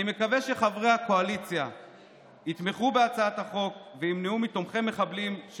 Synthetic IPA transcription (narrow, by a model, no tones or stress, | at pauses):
ime̞kaveʃe̞χavʁehako̞alit͡sja | it̪me̞χube̞at͡saat̪haχo̞kveimneumito̞mχe̞mːe̞χablimʃ